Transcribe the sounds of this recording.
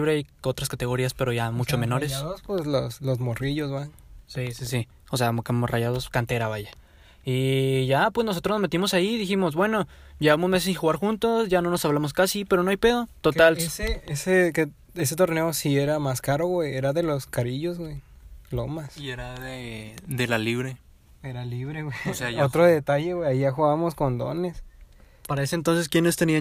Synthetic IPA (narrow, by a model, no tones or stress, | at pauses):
βɾeajo̞t̪ɾaskat̪e̞ɣo̞ɾiaspe̞ɾo̞ʝamut͡ʃome̞no̞ɾesspwezloslozmoriʝo̞zβan | sisisi | oseakamoraʝað̞o̞skant̪e̞ɾaβaʝa | iʝapwe̞znos̬o̞t̪ɾonomet̪imo̞saiðiximo̞zbwe̞no̞ʝeβamo̞zmes̬sĩxuɣaɾxunt̪o̞sʝano̞nosaβlamoskasipeɾo̞noajpe̞ðo̞t̪o̞t̪aleseke | es̬et̪o̞ɾne̞osie̞ɾamaskaɾo̞ɣwejeɾaðe̞lo̞skaɾiʝo̞zɣwejlomasieɾaðeðe̞laliβɾe | eɾaliβɾeɣweseaot̪ɾoðe̞t̪aʝeɣweaiʝaxuɣaβamo̞sko̞nd̪o̞̰nes | paɾaesent̪onse̞skjene̞st̪enia